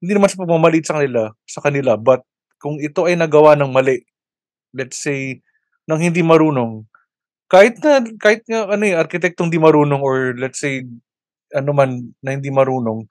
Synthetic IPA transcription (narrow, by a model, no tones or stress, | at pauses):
hɪnd̪inɐmansɐpɐɡ̚mamɐlit̪sɐkɐnɪlasɐkɐnɪlabɐt̪̚ | kʊŋɪt̪o̞ʔɐjnɐɡɐwanɐŋmɐlɛʔ | lɛt̪sej | nɐŋhɪnd̪imɐɾuːno̞ŋ | kaːhɪt̪̚nɐkaːhɪt̪̚ŋaʔɐno̞ɛʔɐɾkɪt̪ɛk̚t̪ohɪnd̪imɐɾuːno̞ŋoɹlɛt̪sej | ʔɐnomanːɐhɪnd̪imɐɾuːno̞ŋ